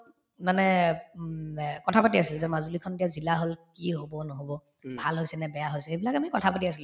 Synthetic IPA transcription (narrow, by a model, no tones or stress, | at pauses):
manɛ | kɔtʰapatiasilzɛmazulikʰɔndijazilaɦolkiɦobɔnɔɦobɔ | bʱalɦojsɛnɛbɛjaɦojsɛebilakamikɔtʰapatiasil